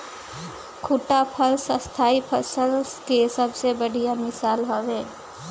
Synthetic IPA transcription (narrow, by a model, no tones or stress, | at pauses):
kʰuʈapʰəlsəst̪ʰaːipʰəsəlkesəbsebəɽ̤ijamɪsaːlɦoʋeː